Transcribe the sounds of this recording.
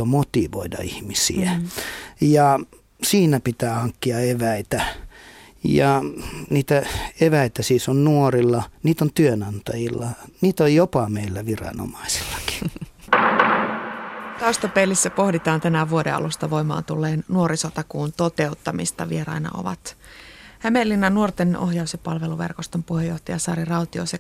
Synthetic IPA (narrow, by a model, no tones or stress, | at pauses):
omot̪iʋo̰idɑ̰ihmisḭæ | jɑ | siːnæpit̪æːhɑŋkːiɑeʋæit̪æ | jɑniːt̪æeʋæit̪æsiːsonnuorilːɑniːt̪ont̪yønɑnt̪ɑjilːɑniːt̪ojjopɑmeilːæʋirɑ̰no̰mɑisi̥lːɑki̥ | t̪ɑust̪ɑpelːisːæpo̞hdit̪ɑːnt̪ænæʋuodeɑ̰lust̪ɑʋo̞jmɑ̰ːnt̪ulːeːnːuo̞ɾisot̪ɑkuːnt̪o̞t̪e̞ut̪ːɑmḭst̪ɑʋieɾɑ̰inɑ̰ʔo̰ʋɑ̰t̪ | hæme̞lːinɑnːuort̪enoɦjɑusjɑpɑlʋe̞luʋe̞̰rkost̪empuhejːoht̪ɑjɑsɑ̰ːɾirɑwt̪io̞̰se